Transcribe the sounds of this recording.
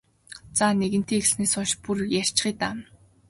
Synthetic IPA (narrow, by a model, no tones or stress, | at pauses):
t͡saːneɣɘ̆n̥t̪ʰeːxɮsneːsʊnʃpurjær̥ʲt͡ɕχiːt̪am